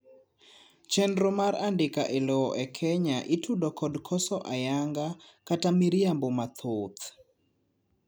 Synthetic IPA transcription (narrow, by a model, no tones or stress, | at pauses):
t͡ʃɛnɾomaɾandɪkaʔelɔɔʔɛkʰɛɲaʔitʰudɔkʰɔdkʰɔsɔʔajaŋɡakatamiɾijambomat̪ʰot̪